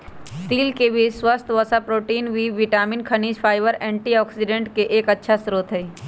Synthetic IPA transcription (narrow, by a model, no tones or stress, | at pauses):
sʈ̪iːlkebʱiswəst̪ʰʋəsapɾoːʈiːnʋiːʋɪʈaːmɪnkʰɐniːʃpʰaːɪʋəɾɛ̃ːɳʈiɔːksɪɖẽɳʈkeʔeːkətːʃʰasɾoːt̪ɦɛ